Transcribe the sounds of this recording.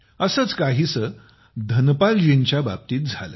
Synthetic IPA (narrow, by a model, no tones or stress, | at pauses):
əsəːt͡skaɦiːsə | d̪ʱənpald͡ʑeɲt͡ɕjaba̰b̚t̪iːt̪̚d͡zʱalə̰ː